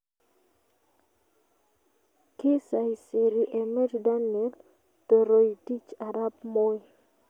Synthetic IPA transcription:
kɪ˦sa˨ɪsɪ˨ɾiʔe˨mɛ˦dda˦niɛ˦l | to˨ɾo˨iti˦t͡ʃa˨ɾa˦pmo˦j

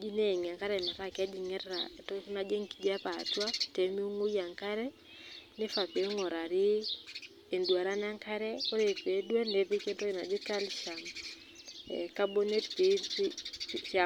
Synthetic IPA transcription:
d͡ʒi˦ne˦˨ŋ˨a˨ŋka˦ɾɛ˨nɛ˨ɾa˦˨kɛ˦d͡ʒi˨ŋɛ˦ɾa̰˨tɔ˦na˨d͡ʒe˦ŋki˨ɡa˦pa̰˨twa˦te˨mi˦u˦ŋu˦ja˨ŋka˦ɾɛ˦ | nɪ˦fa˨pe˨˦ŋɔ˨ɾa˨ɾɪ˦ | e˨ndwa˨ɾa˦na˦ŋka˦ɾɛ˦ko˦ɾe˨pe˨˦dwe˦ne˨˦pe˦ke˦nto˦i˨na̰˨d͡ʒɪ˦ka˦lʃa˨m̰ | ka˦bo˦ne˦tpi˨˦ | ʃa˨

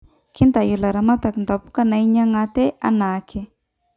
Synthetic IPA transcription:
ki˦nt̪a˨ju˨la˨ɾa˨ma˦t̪a˨knd̪a˨pu̥˦ka˦na˨i˦ɲa˦ŋa˧t̪e˦ʔa̰˦na˨kʰe˦

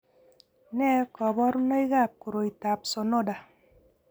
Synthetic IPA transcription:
nɛ˦kɔ˨bɔ˦ɾu˦nɔ˦i˦ɣa˦˨p̚ko˨ɾo˨i˨ta˨p̚so˨no˦˨da˨

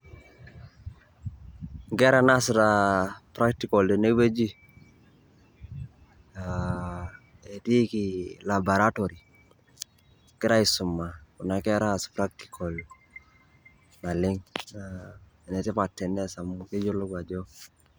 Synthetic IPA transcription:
ŋɡɛ˦ɾa˨nasɾapɾa˦k̚tikɔ˨lde˨ne˦be˦d͡ʒi˦ | a | e˨ti˦kilaba˨ɾa˦toɾi˨ | kɪ˦ɾa˦i˨sʊ˨mːa˨kʊ˨na˨kɛɾa˦spɾak̚ti̥kʰɔl | na˨lɪ˦ŋa˨ | nɛ˨tɪ˦pa˨tːɛ˨ndɛ˦sa˨muke˦d͡ʒo˦lɔ˦ɡa˨d͡ʒo˦

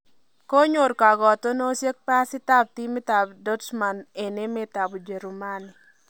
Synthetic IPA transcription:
ko˦ɲo˨ɾka˨ɡɔ˨t̪ɔ˦no˦sje˦k̚pa˦sɪ˦t̪a˦b̚t̪i˦mɪ˦t̪a˨bdɔ˦dsma˨ne˨ne˦mɛ˦t̪a˨bɔ˨d͡ʒe˨ɾu˨ma˦nɪ˨

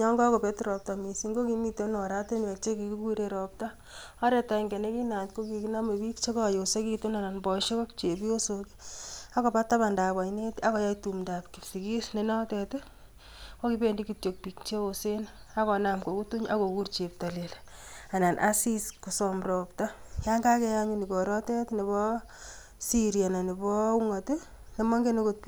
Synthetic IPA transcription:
ɲɔ˦ŋɡɔ˦kɔ˨pe˦tɾɔ˨p̚ta˨mi˨si˦ŋɡo˦kimi˦te˦nɔ˨ɾa˦te˦nwɛ˨k̚t͡ʃe˦ki˨ku˦kuɾe˨ɾɔ˨p̚ta˦ | ɔ˦ɾɛ˨ta˨i˨ŋɡɛ˨ne˦ki˦na˨tko˦ki˨ki˦na˦me˨bi˦kt͡ʃe˦kɔ˦˨jo˨se˦ki˦tu˦na˨na˨nbɔ˨ʃe˦kɔ˦kt͡ʃe˨pi˦o˦soki̥a˦kɔ˨pa˦ta˦ba˨nda˨ba˨ine˦ta˦kɔ˨˦ja˦itu˨mda˨pki˨psi˨ki˦sne˨na˦tɛ˨te˦ | wɔ˦ki˦be˨ndikutjo˨k̚pi˨k̚t͡ʃe˦ose˦n | a˦kɔ˨na˨mko˨ku˦tu˦ɲa̰˦ko˨ku˦rt͡ʃe˨p̚ta˨lel | a˨na˨nʔa˦siskosɔmɾɔ˨pta˦ja˦ŋɡa˦kɛ˦ja˦ɲu˦ni˨kɔ˨ɾɔ˦tɛ˦tne˨bɔ | siɾia˨na˨ne˨bɔu˦ŋa˨te | ne˨ma˦ŋɡe˦nokot̚pi

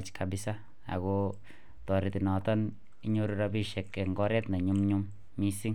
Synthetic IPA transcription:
t͡ʃkabɪsa | a̰˨ko | tɔ˨ɾiti˨nɔ˨tɔ˦n | i˦ɲo˦ɾuɾabi˦ʃɛ˨kːeŋɡɔ˦ɾɛ˦tna˨ɲu˦mɲumː | i˦si˦ŋ

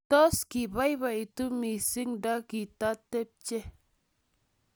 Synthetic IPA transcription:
tɔ˦ski˨ba˦i˦βa˨i˨tu˦mi˨si˦ŋda˦ki˨ta˦tːe˦p̚t͡ʃe˦

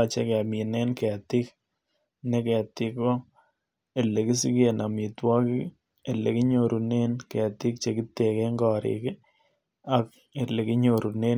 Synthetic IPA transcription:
a˨t͡ʃe˦kɛ˨a˨mi˨nɛ˦nkɛ˨a˨t̪ɪ˦k | nɛ˦kɛ˨a˨t̪ɪ˦kɔ˦ | e˨lːe˨ki˦si˦ke˨na˨mi˨twɔ˦kɪ˦ | e˨lḛ˨kɪ˦ɲo˨ɾu˨ne˦nke˨a˨tɪ˦k̚t͡ʃe˨ki˦t̪e˨ke˦ŋɡɔ˨ɾɪ̰˨k | a˦k | e˨le˨kɪ˦ɲo˨ɾu˨ne˦

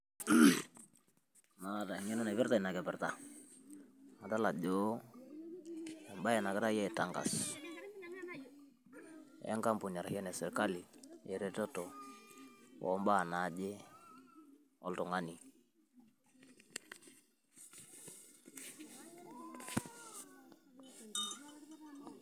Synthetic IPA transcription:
na˨ta˨ŋɛ˦nɔ˦na˨bɛ˦ɾta˦i˨na˨kɛ˨pɛ˨ɾta˨ | ŋa˨ta˦la˨d͡ʒo˦ | a˨mba˦ɛ˨na˨kɪ˦ɾa˦jɛ˦˨ta˦ŋɡa̰˨s | ɛ̰˦ŋka˦mpu˨ɲa˨ɾa˨hjɛ˦nɛ˨sɛ˨ɾka˦li˨jɛ˨ɾɛ˦tɔ˦tɔ˨ | wɔ̰˨˦mba˦˨na˨˦d͡ʒɪ˦ | ɔ˦ltɔ˨ŋa˦ni˨

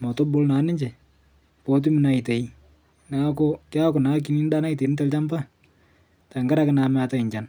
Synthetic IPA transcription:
mɔ˨to˦bʊ˦lna˨˦nɪ˦ɲd͡ʒe˨ | pɔ˦t̬i˦mɪ˦na˨i˨te˨i˦ | na˨˦kɔ˦kɪ˦a˦kʊ˨na˨˦k̬i˨ni˦n˦da˦na˦i˨t̬e˨˦nɪ˦te˦lt͡ʃa˦mba˦ | ta˨ŋɡa˦ɾa˦kɪ˦na˨ma˦ta˦ɪ˨ɲd͡ʒa˨n

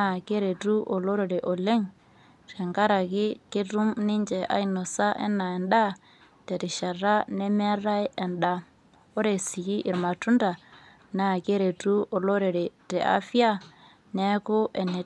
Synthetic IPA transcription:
a˦˨ke˦ɾe˨tu˦ʔo˨lo˦ɾe˨ɾe˨ʔo˨le˦ŋ | ɾɛ˨ŋɡa˦ɾa˨ki˦ke˦tu˦mni˦ɲd͡ʒɛ˨ʔa̰˦i˦nɔ˨sa˦ʔɛ̰˦nːa˨ɛ˨nɗa˦ | te˨ɾi˨ʃa˨ɾa˦nɛ˦me˦ɾa˦jʔɛ˨nɗa˨ | o˦ɾe˨si˨ɡi˦ʔi˨ɾma˨tu˦nda˨ | na˦˨ke˦ɾe˨tu˦ʔo˨lo˦ɾe˨ɾe˨te˨a̰˦fi˦a˦ | nɛ˦ku˦ʔɛ˨ne˨

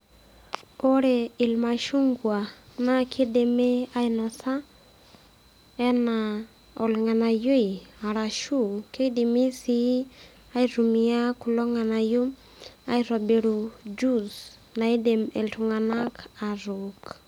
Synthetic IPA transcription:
o˦ɾe˨i˨lma˨ʃu˦ŋɡwa˨na˦kʰe˦de˨me˦a˦inɔ˨sa˦ | ɛ˦na˨ | ɔ˨lŋa˨na˨jo˦i˨a˨ɾa˨ʃu˦˨ke˦di˨mi˦si˦ | a˦i˦ɾu˨mi˨a˦ku˨lɔ˦ŋa˨na˨ju˦m | a̰˦jɾɔ˨be˨ɾu˨d͡ʒu˦s | na˨i˦de˨me˨ltu˨ŋa˨na˦ka˨ɾuk

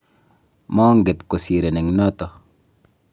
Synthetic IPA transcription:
mɔ˦ŋɡe˨t̪ko˨si˨ɾe˨ne˨ŋno˦t̪o˨

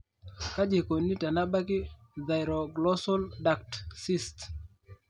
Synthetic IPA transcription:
ka˦d͡ʒe˨ko˨nːi˦ta˨na˦ɓa˦kɪ˦ða˨jɾɔ˨ɡlɔ˦sɔ˦lda˨k̚tsi˦st

